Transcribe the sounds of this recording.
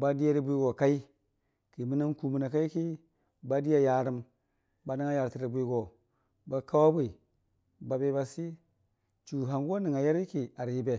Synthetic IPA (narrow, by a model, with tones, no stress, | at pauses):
ba˦di˦ja˦ɾi˦bu˦i˦ɡo˨ka˦i˦ | ki˨mi˦na˦nku˨mu˨na˨ka˦i˦ki˦ | ba˦di˦ja˦ja˨ɾi˦m | ba˦ni˦ŋa˦ja˨ɾti˨ɾi˨bʷi˦ɡo˨ | ba˨ka˦wa˦bʷi˦˨ | ba˨be˦ba˨si˦ | t͡ʃu˨ɦa˨nɡo˦ni˨ŋa˨ja˦ɾi˦ki˨a˨ɾji˨be˨